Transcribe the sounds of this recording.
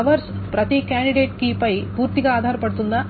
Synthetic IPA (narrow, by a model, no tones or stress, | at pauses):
ɐʋɐɾspɾɐt̪ikjaːɳɖiɖeːʈ̚kiːpɐjpuːɾt̪iɡɐaːd̪ʱaːɾɐpɐɽut̪und̪ɐ